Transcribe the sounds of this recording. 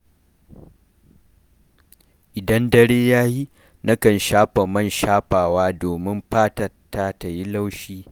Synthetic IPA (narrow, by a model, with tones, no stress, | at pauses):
ʔɪ˨dɐ˦ndɐ˦ɽeː˦jaː˦ji˦ | nɐ˦kɐ˨nʃaː˦ɸa˨mɐ˦˨nʃaː˦ɸaː˨waː˦doː˨mɪ˦mɸaː˦tɐ˨rta˦ta˨ji˦la˦wʃiː˦